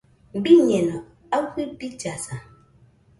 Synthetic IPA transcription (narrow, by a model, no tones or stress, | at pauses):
m̩biɲɛnɔ | ahʷibid͡ʒasa